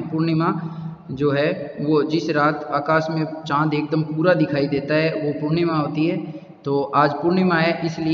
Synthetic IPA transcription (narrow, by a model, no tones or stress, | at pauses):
pʊɾɳɪmã | d͡ʒoːɦɛʋod͡ʒɪsɾaːt̪aːkaːsmẽt͡ʃãːnd̪eːk̚d̪əmpuːɾad̪ɪkʰaːid̪eːt̪aɦɛʋopʊɾɳɪmãɦoːt̪iɦɛː | t̪oːʔaːd͡ʒpʊɾɳɪmaɦɛʔɪsli